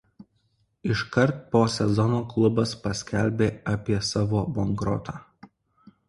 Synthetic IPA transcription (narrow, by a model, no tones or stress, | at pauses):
ɪʃkɐɾˑt̪̚poːsʲɛzɔnoːklˠʊbɐspɐsʲkʲælʲbʲeːɐpʲiɛsɑːʋoːbɔŋɡɾɔ̰t̪ʰɑː